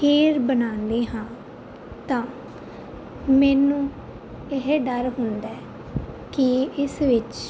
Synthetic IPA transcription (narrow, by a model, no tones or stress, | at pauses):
pʰeːɾbənãːnd̪eːɦãː | t̪ãː | mɛːnũː | ɪɦɖəɾɦʊnd̪ɛː | kɪɪsʋɪt͡ʃ